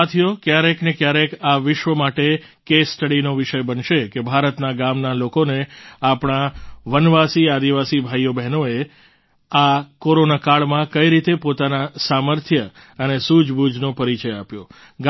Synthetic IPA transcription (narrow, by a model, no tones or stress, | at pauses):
at̪ʰijokjaɾeknekjaɾekaʋɪʃʋəmaʈe | kesʈəɽinoʋɪʃəjbənʃekebʱaɾət̪naɡamnalokoneapɳ̃aʋənʋasiad̪iʋasibʱajjobɛɦnoe | akoɾonakaɭmãkəiɾit̪epot̪anasaməɾt̪ʰjə | ənesud͡ʒbʱud͡ʒnopəɾit͡ʃəjapjo | ɡ